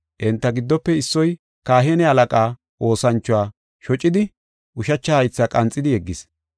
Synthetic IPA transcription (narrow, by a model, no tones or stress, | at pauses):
ʔɛnt̪ːɐɡɪd̪ːɔpːɛɪsːɔj | kaːɦenɛɐlɐkʼaː | ʔo̞ːsɐnt͡ʃːʊwaː | ʃɔt͡ʃʼːɪd̪ɪ | ʔʊʃɐt͡ʃːɐhɐjt͡sːakʼɐnt͡sʼːɪd̪ɪjɛɡːɪs